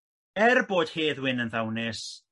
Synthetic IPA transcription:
ɛrboːd̥heːðwɪnənðawnɪs

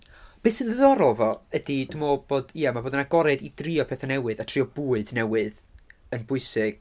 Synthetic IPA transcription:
b̥esənðəðɔɾɔvɔədidʊmɔb̥oːdiːamaboːdənaɡɔɾɛdidriɔpʰeːθanɛwɨðatʰriɔbuːɨdnɛwɨð | ənbʊɨsɪɡ̥

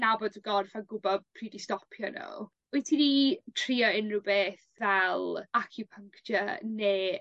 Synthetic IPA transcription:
nabɔdɡɔrvaɡʊbɔd̥̚pʰriːdistɔpʰjɔnɔ̰ | uɨtʰinitʰriːɔɪnrɨwbeːθvɛlˠakʰjupʰəŋkʃəneː

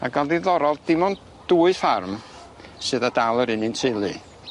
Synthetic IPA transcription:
aɡalˠdiðɔɾɔlˠd̥ɪmɔn | d̥uːɨfarm | sɨðadalˠəɾɨnɨntʰɪlˠɨ

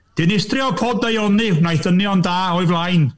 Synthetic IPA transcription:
d̥ɪnɪstrɪɔkʰɔːdajɔnɨnajθənjɔndaːɔɨvlˠajn

